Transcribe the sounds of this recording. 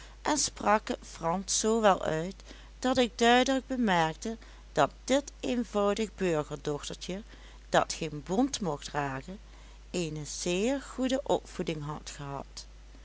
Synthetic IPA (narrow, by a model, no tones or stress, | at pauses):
ʔɛnsprɑkfrɑnssoːʋɛlˠœ̰ɥt | d̥ɑtɪɡ̚dœɥdələɡ̚bəmɛɹk̚tə | d̥ɑt̚dɪtejnvɑwdəɣbøɹɣəɹdɔxtəɹt͡ʃə | d̥ɑ̰tχenbɔntmɔχtraːkə | ejnəz̥ɪːɹɣudəʔɔpfudɪŋɦɑtχəɦɑ̰t